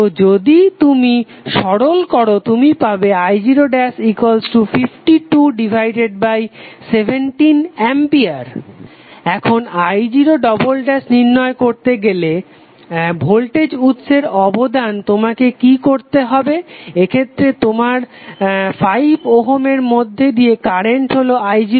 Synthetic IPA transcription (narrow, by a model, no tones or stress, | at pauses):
t̪od͡ʑod̪it̪umi | ʃɔɽolkɔɾot̪umipabeajd͡ʑiɾoɖɛsikwalsʈufʰifʈiʈuɖibʱajɖeɖ̚bajsebʱeɳʈinɛmpiaɾ | ɛkʰonajd͡ʑiɾoɖɔbolɖɛsniɾnɔekoɾt̪eɡele | bʱolʈed͡ʑut̪ːʃʰeɾɔbod̪ant̪omakekikoɾt̪eɦɔbeekʰet̪ːɾet̪omaɾ | fajboɦomeɾmod̪ʱːed̪ijekaɾeɳʈɦoloajd͡ʑi